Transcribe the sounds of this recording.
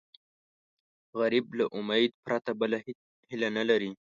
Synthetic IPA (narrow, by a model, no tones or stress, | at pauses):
ɣaɾiblaʔʊmajd̪̚pɾat̪abəla | hɪlanalaɾi